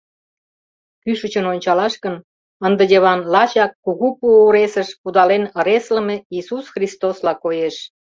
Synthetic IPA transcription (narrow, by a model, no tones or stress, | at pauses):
kyʃət͡ɕənonʲt͡ɕɑlɑʃkən | ənd̪ə̆dʲeβɑnlɑt͡ɕɑkːuɣupuuɾesəʃpud̪ɑlenə̆ɾeslə̆meisusxrist̪oslɑkojeʃ